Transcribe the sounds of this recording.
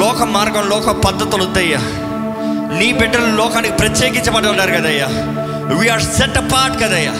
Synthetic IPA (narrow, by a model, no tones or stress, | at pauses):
ɔːkɐmːaːɾɡɐmlɔːkɐpɐd̪ːɐt̪ːulud̪ːɐjːa | niːbɛɖɐllɔːkaːnikipɾɐt̪jeːkiɲt͡ʃɐbɐʈːɐɐnːaːɾkɐd̪ɐjːaː | ʋiːaːɾsɛʈɐpːaːɾʈkɐd̪ɐjːa̰